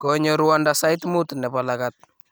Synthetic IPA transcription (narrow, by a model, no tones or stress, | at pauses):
kɔɲɔɾuwandasajtmutnɛpalakat̚